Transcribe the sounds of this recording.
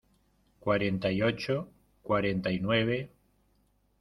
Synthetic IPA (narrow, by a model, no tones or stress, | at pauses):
kwaɾent̪ajot͡ʃo | kwaɾent̪ajnweβ̞e